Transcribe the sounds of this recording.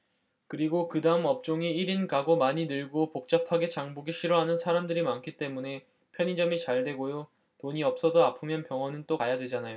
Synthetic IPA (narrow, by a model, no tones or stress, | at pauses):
kɯɾiɡokɯdaɯmʌp̚t͡ɕ͈oŋiiɾinɡaɡomaɲinɯɭɡopok̚t͡ɕ͈apʰaɡe̞t͡ɕaŋbuɡiɕʰiɾʌɦanɯnsʰaɾamdɯɾimank͈ʰit͈e̞mune̞ | pʰjʌɲid͡ʑʌmit͡ɕaɭdwe̞ɡojo | toɲiʌp̚s͈ʌdoapʰɯmjʌnpjʌŋɦʌnɯnt͈okajadwe̞d͡ʑanajo